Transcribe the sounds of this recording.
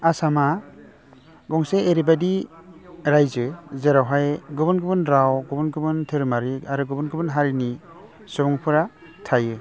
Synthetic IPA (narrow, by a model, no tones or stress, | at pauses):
asama | ɡɔŋseeɾibadi | ɾajzɯzeɾawɦajɡɔbɯnɡɯbɯnɾawɡɔbɔnɡɯbɯntʰɯɾmaɾiaɾuɡɯbɯnɡɯbɯnɦaɾini | sɔbɔŋpʰɯɾa | tʰajɯ